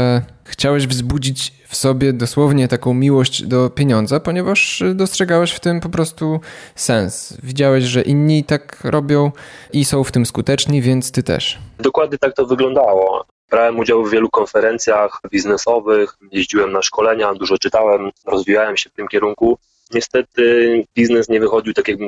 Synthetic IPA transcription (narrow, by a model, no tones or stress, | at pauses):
ɛxt͡ɕawɛʑvzbud͡ʑit͡ɕ | fsɔbʲjɛd̪ɔswɔvɲɛt̪akɔ̃w̃mʲiwɔɕd͡ʑd̪ɔpʲjeɲɔnd̪zapɔɲɛvaʂd̪ɔstʂɛɡawɛɕft̪ɘmpɔpɾɔst̪usɛnsvʲid͡ʑawɛɕʐɛʔiɲːit̪akɾʔɔbʲjɔ̃w̃ʔisɔ̃w̃ft̪ɘmskut̪ɛt͡ʂɲivʲjɛnt̪st̪ɘt̪ɛ̰ʂd̪ɔkwad̪̚ɲɛt̪ak̚t̪ɔvɘɡlɔnd̪awɔ̰ | bɾawɛmud͡ʑawvːʲjɛlukɔnfɛɾɛnt̪sʲjaxbʲiznɛsɔvɘx | jeʑd͡ʑiwɛmnaʂkɔlɛɲad̪uʐɔt͡ʂɘt̪awɛmɾɔzvʲijawɛmɕɛft̪ɘmkʲɛɾuŋku | ɲɛst̪ɛt̪ɘbʲiznɛsɲɛvɘxɔd͡ʑiwt̪akʲjaɡ̚bɘm